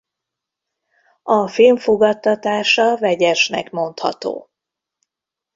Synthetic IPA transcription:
ɒfilɱfoɡɒt̪ːɒt̪aːʃɒvɛɟɛʃnɛ̰kmo̞nt̪hɒ̰t̪o̰ː

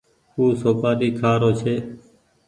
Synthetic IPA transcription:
uːsoːkaːɗiːkʰaːɾoːt͡ʃʰeː

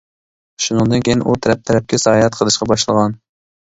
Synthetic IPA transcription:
ʃunɨŋd̪ɨnkʲʰejinʔut̪ʰɛɾɛp̚t̪ʰɛɾɛp̚kʲɛsɑhɑjɛt̪qʰəlˠɨʃqɑbɑʃlˠəʁɑn

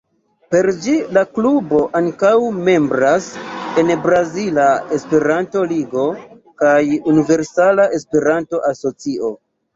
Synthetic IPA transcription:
pe̞ɾd͡ʒilaklubo̞ʔaŋkawme̞mbɾase̞nbɾazilae̞spe̞ɾanto̞liɡo̞ | kajunive̞ɾsalae̞spe̞ɾanto̞ʔaso̞t͡siʔo̞

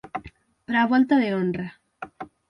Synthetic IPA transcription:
bɾaβwelt̪aðeonra

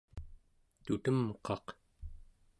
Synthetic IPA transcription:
t̪ut̪əmqɑq

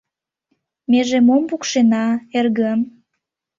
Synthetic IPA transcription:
meʒemompukʃenɑerɣəm

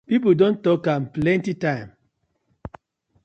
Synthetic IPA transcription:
pip̬ldõntɔkãmplɛ̃ntitãɪ̃m

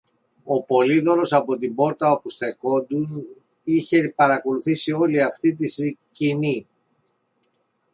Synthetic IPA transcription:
o̞po̞liðo̞ɾo̞sɐpo̞t̪imbo̞ɾt̪ɐopusθe̞ko̞nd̪un | içe̞pɐɾɐko̞luθisio̞liɐft̪it̪̬iscini

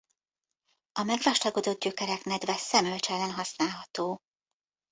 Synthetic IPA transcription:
ɒmɛɡraːʃt̪ɒɡod̪o̞d̪̚ɟøkɛɾɛknɛd̪vɛsɛmølt͡ʃɛlɛnɦɒsnaːlɦɒt̪oː

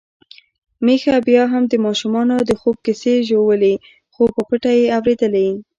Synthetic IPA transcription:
mexabjɑɦamd̪əmɑʃumɑnod̪əxob̚kɪseʒowəle | xopəpəʈajeawɾed̪əle

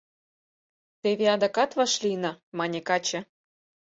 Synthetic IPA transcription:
t̪eβeɑd̪ɑkɑt̪vɑʃlinɤ̆mɑnʲekɑt͡ɕĕ

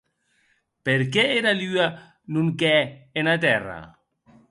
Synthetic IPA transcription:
peɾkeeɾalya | nuŋkɛenat̪ɛra̰

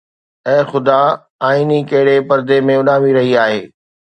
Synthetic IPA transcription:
ɛ̃ːxʊd̪a | aːiːnikɐɦɪɽepɐɾd̪emẽʊnaːmiɾɐɦiaːɦeː

